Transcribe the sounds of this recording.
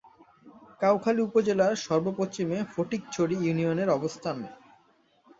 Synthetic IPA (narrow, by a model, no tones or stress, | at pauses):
kawkʰaliupod͡ʑelaɾʃɔɾbopost͡ɕimefoʈik̚t͡ɕʰoɽijunioneɾɔbost̪ʰan